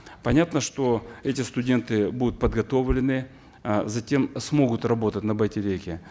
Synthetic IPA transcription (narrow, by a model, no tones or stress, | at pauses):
pɐnʲat̪nəʂt̪o̞ɛtʲɪst̪ʊdʲe̞nt̪ɨbud̪ʊt̪̚pəd̪ɡɐt̪o̞vlʲɪnɨ | zɐtʲe̞msmo̞ɡʊt̪rɐbo̞t̪ətʲnəbətʲɪɾʲejkʲɪ